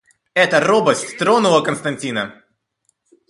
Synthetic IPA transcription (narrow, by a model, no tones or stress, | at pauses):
ɛt̪ərobəsʲtʲst̪ɾonʊlˠəkənst̪ɐnʲtʲinə